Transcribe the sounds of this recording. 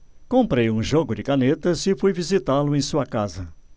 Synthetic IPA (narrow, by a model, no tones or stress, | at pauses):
kõmpɾejũʒoɡʊd͡ʒɪkanet̪ɐzɪfujvizit̪alʊẽj̃suɐkazɐ